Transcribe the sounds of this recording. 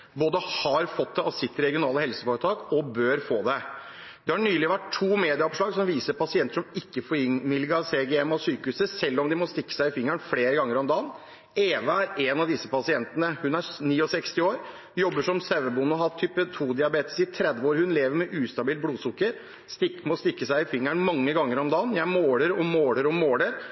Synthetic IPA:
boːd̪əhɑɾfɔt̪̚d̪ɛɑsɪt̪ːɾɛɡɪʊnɑːləhɛlsəfoːɾət̪ʰɑːkɔbøːɾfoːd̪ɛ | d̪ɛhɑɳyːlɪʋæʈʰːuːmeːd̪ɪɑɔpʂɭɑːɡsɔmʋiːsəɾpɑsɪɛnt̪ə̥ʂɔmɪkːəfɔɾɪŋmɪlɡɑseːɡɛɛmɔsyːkəʉːsəsɛlːɔmd̪ɪmɔst̪ɪkːə̥sæɪɪfɪŋːəɳfleːɾəɡɑŋːəɾɔmd̪ɑːn | eːʋəæɾeːnɑʋd̪ɪsːəpɑsɪɛnt̪ənəhʉnæɾniːɔsɛkst̪ɪoːɾ | jɔbːəʂɔmsæʋəbunʊɦɑt̪ʰyːpət̪ʰuːd̪ɪɑbeːt̪ə̥sɪt̪ʰɾɛd̪ʋəoːɾhʉnleːʋəɾmɛʔʉːst̪ɑbiːl̚bluːsʊkːəɾ | st̪ɪkmɔst̪ɪkːəsæɪɪfɪŋːəɳmɑŋːəɡɑŋːəɾɔmd̪ɑːnjæɪmoːləɾɔmoːləɾɔmmoːləɾ

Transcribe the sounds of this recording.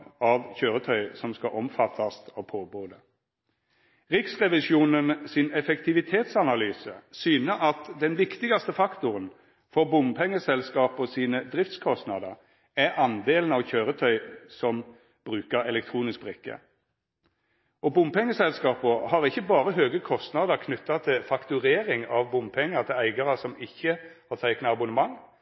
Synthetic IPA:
ɑʋçøːʁət̪ʰœʏsɔmskɑʔɔmfɑt̪ʰːɑst̪ɔpʰoːboːd̪ə | ʁɪksʁɛʋɪʃjuːnənsɪnɛfɛkt̪ɪʋɪt̪ʰeːt̪sɑnɑlyːsəsyːnəɑt̪d̪ɛnʋɪkt̪ɪɡɑst̪əfɑkt̪ʊʁən | fɔʁbʊmpʰɛŋːəsɛlskɑːpɔsiːnəd̪ʁɪft̪skʰɔst̪nɑd̪əʁ | æʁɑnd̪eːlən̩ɑʋçøːʁət̪ʰœʏsɔm | b̥ʁʉːkəʁɛlɛk̚t̪ʰʁuːnɪsk̚bʁɪkːə̰ | ɔbʊmpʰɛŋːəsɛlskɑːpɔhɑʁɪçːəbɑːʁəɦøːɡəkʰɔst̪nɑd̪əkʰnʉt̪ːɑt̪ʰɪlfɑkt̪ʉʁeːʁɪŋɑʋbʊmpʰɛŋːət̪ʰɪlæɪɡɑʁəsɔmɪçːəhɑʁt̪ʰæɪknəɑbʊnəmɑŋː

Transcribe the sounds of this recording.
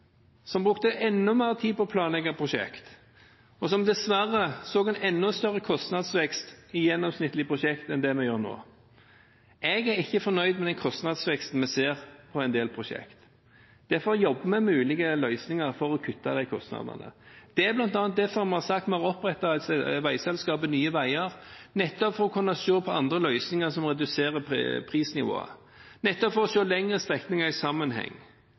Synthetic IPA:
sɔmbʁʉkt̪əʔɛnːʊmæːət̪ʰiːpɔːpʰlɑːnlɛɡəpʰɾʊʃɛ̰kt̪ | ɔsɔmd̪ɛsʋæɾəsoːɡɛnɛnːʊst̪œɾəkʰɔst̪nɑd̪sʋɛkst̪ɪjɛnːɔmsnɪt̪ːlɪəpʰɾʊʃɛkt̪ɛnd̪ɛmɛjøːɾno̰ː | ɛɡæɾɪçːəfɔnœʏd̪mɛd̪ɛnkʰɔst̪nɑd̪sʋɛkst̪n̩mɛseːʁpʰɔɛɪnd̪eːlpʰɾʊʃɛ̰kt̪ | d̪̥ɛfɔjɔbːəmɛmʉːlɪɡəlœʏsnɪŋɑɾfɔɾɔkʰʉt̪ːɑd̪æɪkʰɔst̪nɑ̰ːd̪ɑ̰nə̰d̪̥ɛæblɑnt̪ɑːnt̪̚d̪ɛfɔɾmɛɑsɑkt̪mɛɑɾɔpːɾɛt̪ːɑʋæɪsɛlskɑːbənyːəʋæɪəɾnɛt̪ːɔpfɔɾɔkʰʊɾnɑʃoːpʰɔɑnd̪ʁəlœʏsnɪŋɑɾsɔmɾɛd̪ʉseːɾəpʰɾiːsnɪʋo̰ːə̰ | nɛt̪ːɔpfɔɾɔʃoːlɛŋɾəst̪ʁɛk̪nɪŋɑɾɪsɑmːənɦɛ̰ŋː

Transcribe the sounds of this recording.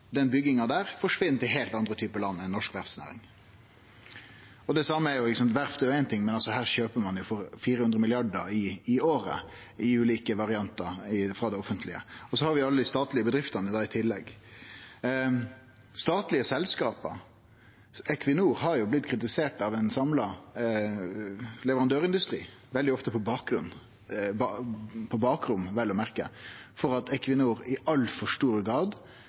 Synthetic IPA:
d̪ɛnbʏɡːɪŋɑd̪æːɾfɔʂʋɪnːt̪ʰɪlɦeːlt̪ɑnd̪ɾət̪ʰyːpəlɑnːɛnːɔʂkʋæɾfsnæ̰ːɾɪ̰ŋ | ɔd̪ɛsɑmːəæɾjʊɪkəsɑnt̪ʋæɾfd̪ɛjʊæɪnt̪ʰɪŋːmɛnɑlsɔhæːɾʂøːpəmɑnjʊfɔɾfiːɾəhʉnɾəmɪlɪɑɖəɾɪːoːɾə̰ | ɪʉːliːkəʋɑɾɪɑnt̪əɾɪfɾɑd̪ɛɔfənt̪ʰlɪə̰ɔsɔhɑɾʋɪjʊɑlːəd̪ɪst̪ɑːt̪lɪəbəd̪ɾɪft̪ɑnəd̪ɑːɪt̪ʰɪlːɛɡ | st̪ɑːt̪lɪəsɛlskɑːpə̰ɾ | ɛkʰʋɪnuːɾhɑɾjʊblɪt̪kʰɾɪt̪̬ɪseːʈɑʋɛnsɑmlɑ | lɛʋəɾɑnd̪øːɾɪnd̪ʉst̪ɾḭː | ʋɛld̪ɪɔft̪əpʰɔbɑːk̚ɡɾʉnː | bɑpʰɔbɑːkɾʊmːʋɛlːɔmæɾkə̰fɔɾɑt̪ɛkʋɪnuːɾɪʔɑlːfɔʂʈuːɾəɡɾɑːd̪

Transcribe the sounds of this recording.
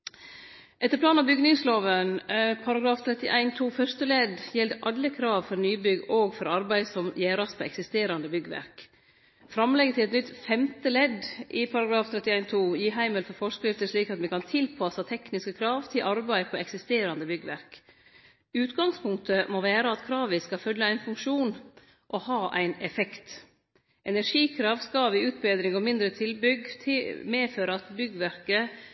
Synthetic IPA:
ʔɛt̪ːəɾpʰlɑːnɑʋbʏɡnɪŋsloːʋənpʰɑɾɑɡɾɑːft̪ʰɾɛt̪ːɪʔæɪnt̪ʰuːfœɾʂt̪əlɛd̪jɛld̪ʔɑlːəkʰɾɑːʋfɔɾnyːbʏɡoːɡfɔɾɑɾbæɪsɔmjeːɾɑspʰɔɛ̰ksɪst̪eːɾɑnd̪əbʏɡːəʋæ̰k | fɾɑmlɛɡət̪ʰɪlɛt̪nʏt̪fɛmt̪əlɛd̪ʔɪpʰɑɾɑɡɾɑːft̪ʰɾɛt̪ːɪæɪnt̪ʰuːjiːɦæɪməlfɔɾfɔʂkɾɪft̪əʂɭiːkɑt̪mɛkɑnt̪ʰɪlpʰɑsɑt̪ʰɛknɪskəkʰɾɑːʋt̪ʰɪlʔɑɾbæɪpʰɔɛksɪst̪eːɾɑnd̪əbʏɡəʋæɾk | ʉːt̪ɡɑŋspʰʊŋkt̪əmoʋæːɾəɑt̪kʰɾɑːʋɪskɑfœlːəæɪnfʉŋkʂuːn | ʔɔhɑːʔæɪnɛfɛkt̪ | ʔɛnæɾʂiːkʰɾɑːʋskɑʋɪʉːt̪bæd̪ɾɪŋɔmɪnd̪ɾət̪ʰɪlbʏɡt̪ʰɪmeːføːɾəɑt̪bʏɡʋæɾkə

